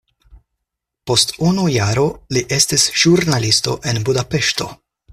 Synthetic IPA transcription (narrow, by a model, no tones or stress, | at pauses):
po̞stunujaɾo̞liʔe̞stisʒ̥uɾnalisto̞ʔe̞nbudape̞ʃto̞̰